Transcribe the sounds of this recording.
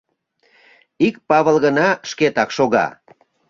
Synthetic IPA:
ikpɑβəlɣənɑʃket̪ɑkʃoɣɑ̰

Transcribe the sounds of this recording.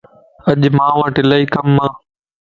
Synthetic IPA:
əʄmãːʋãːʈɪlaːiːkəmːãː

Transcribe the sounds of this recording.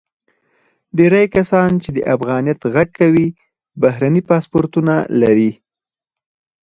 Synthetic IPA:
ɖeɾajkasɑnt͡ʃed̪əʔafɣɑnijat̪ɣaɡ̚kʰawi | baɦɾanipɑspoɾt̪unalaɾi

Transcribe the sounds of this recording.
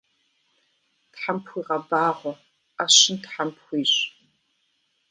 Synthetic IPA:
tħampʰxʷiːʁɐbaːʁʷɔ | aɕɪntħampxʷiːɕ

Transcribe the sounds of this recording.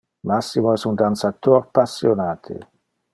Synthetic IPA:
masːimoɛsund̪ansat̪orpasːjonaːt̪ʰḛ

